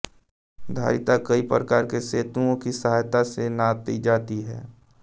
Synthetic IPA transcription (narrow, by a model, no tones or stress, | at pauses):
d̪ʱa̰ːɾɪt̪akəipɾəkaːɾkeseːt̪ũõkisɐɦaːjt̪asenat̪id͡ʒaːt̪iɦɛː